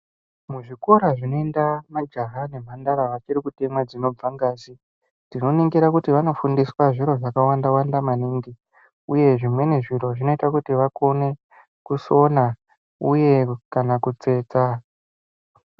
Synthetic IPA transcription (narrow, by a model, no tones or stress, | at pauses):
muʐiko̞ɾaʐino̞endamad͡ʒaɦane̞m̤andaɾaʋat͡ʃiɾikutemwad͡zino̞b͡vaŋɡaːzi | ndino̞neŋɡeɾakutiʋano̞fundiswaʐiɾo̞ʐakawandawandamaniːŋɡi | uje̞ʐimwe̞ne̞ʐiro̞ʐino̞itakutiʋako̞ne̞ | kuso̞na | uje̞kanakut͡se̞ːt͡sa